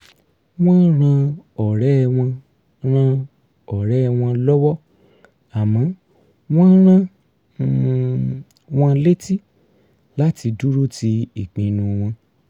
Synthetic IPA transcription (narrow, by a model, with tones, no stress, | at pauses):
w̃ɔ̃˦n˦ɾ̃ã˧ɔ˨ɾɛ˦˧w̃ɔ̃˧ | ɾã˧ | ɔ˨ɾɛ˨˦˧w̃ɔ̃˧lɔ˦wɔ˦ | a˨mã˨˦ | w̃ɔ̃˦n˦ɾ̃ã˦˨ | w̃ɔ̃˧le˦ti˦ | la˦ti˧du˦ɾu˦ti˧i˨k͡pĩ˨nũ˧w̃ɔ̃˧